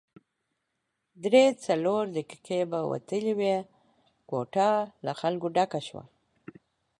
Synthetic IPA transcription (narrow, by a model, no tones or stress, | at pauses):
d̪ɾet͡saloɾd̪əki̥kebawa̰t̪əliwe | kwoʈɑlaxalkoɖakaʃwa̰